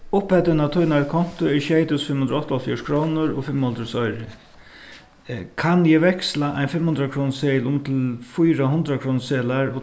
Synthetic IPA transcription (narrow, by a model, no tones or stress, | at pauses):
ʊphɛt̪ɪnat̪ʰʊjnaɹkʰɔn̥t̪ʊɛɹɕɛɪt̪ʊsfɪmhʊnd̪ɾʊɔht̪alfjɔːʂkʰɾoːnʊɾɔ̰fɪmːɔld̪ɾəsɔʏɾɪ | kʰanjɛːʋɛkslaʔa̰ɪnfɪmhʊnd̪ɾakʰɾɔːnseɪlʊmt̪ʰɪlfujɾaɦʊnd̪ɾakʰɾɔːnseːlaɹo